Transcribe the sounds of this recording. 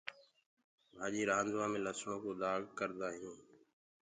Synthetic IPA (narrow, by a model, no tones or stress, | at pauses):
bʱaːʄiːɾaːnd͡ʒʋãːmẽːləsɳõːkoːd̪aːɡkəɾd̪aːɦĩː